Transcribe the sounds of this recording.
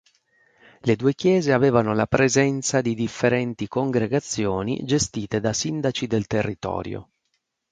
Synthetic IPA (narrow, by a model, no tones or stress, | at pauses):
led̪uːekjɛːzeaveːvanolapɾezɛnt̪sad̪id̪ifːeɾɛnt̪ikoŋɡɾeɡat̪sːjoːnḭd͡ʒest̪iːt̪ed̪asind̪at͡ʃid̪elt̪erːit̪ɔ̰ːɾjo̰